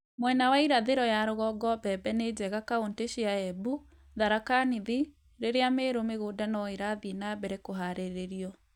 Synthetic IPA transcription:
mwɛnawaiɾaðeɾɔjaɾoɣɔɡɔbɛbɛned͡ʑɛɣakaonteɕiaɛbu | ðaɾakaniði | ɾeɾeameɾomeɣoːdanɔeɾaðienabɛɾekoɦaɾeɾeɾiɔ

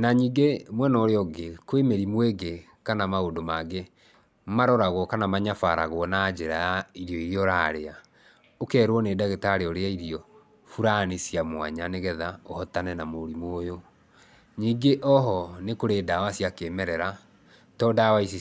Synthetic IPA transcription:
naɲiːɡemwɛnɔɾeɔɡekwemeɾimweɡe | kanamaodomaɡe | maɾɔɾaɣwɔkanamaɲafaɾa̰ɣwɔnad͡ʒeɾajaiɾjɔiɾiɔɾaɾea | okɛːɾwɔneːdaɣetaɾeɔɾeaiɾiɔ | fuɾanisijamwa̰ɲaneɣɛðaohɔtanɛnamoɾimojo | ɲiːŋɡeʔɔɦɔnekoɾeːdawasiakeːmɛɾɛɾa | tɔdawaisi

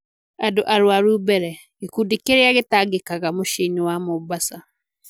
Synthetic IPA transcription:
adoʔaɾwaɾubɛɾɛ | ekudikeɾeaɣetaɡekaɣamoʃeniwamobasa

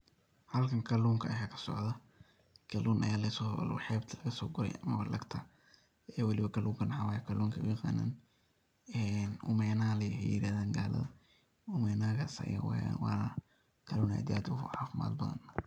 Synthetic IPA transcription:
hɐlkʰɐŋkʰɐluːŋkʰɐɐjaːkʰɐ̥sɔ̰ʕðɐ | ɡ̥ʰɐluːnʔɐ̰jaːlɛsɔlʊ̰ħɛːbt̪ʰɐlɐɣɐsɔːɡʊɾɛ̰jʔɐmɐβɐlɐɡt̪ʰɐ | ɛːwɑlɪβɐkɐlʔuːŋkʰɐnɐħɐwaːjɐkʰɐluːŋkʰɐʔʊjɑqa̰ːna̰ːn | ɛnʔʊ̰mɛːnalɛjɦɛjjɪɾaːðaːŋɡaːlɐ̰ðɐ | ʊmɛnaːɣa̰ːsɐ̰ja̰wwɑːnɐ | kʰɐluːna̰jd̪ja̰ːd̪ʊʕa̰ːfɪma̰ːd̪bɐðɐ̰n

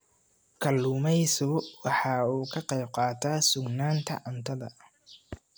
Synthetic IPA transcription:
kʰɐlːuːmɛjsʊwɑħɑːuːkʰɐqɛjb̚qɑːt̪ʰaːsʊɡnaːnt̪ʰɐ̰ʕɐnt̪ʰɐðɐ̰

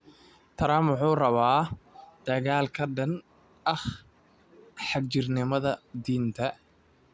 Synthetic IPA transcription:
t̪ʰɐɾaːmwʊħuːrɐβaːd̪̥ɐɣaːlkʰɐɖɐn | ʔɐχ | ħɑɡt͡ʃɪrnɪmɐðɐd̪iːnt̪ʰɐ

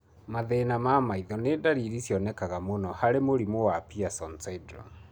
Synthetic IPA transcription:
maðenamamaiðɔnedaɾiɾisjɔnɛkaɣamonɔhaɾemoɾimowapiasɔnsaidɾɔ̰

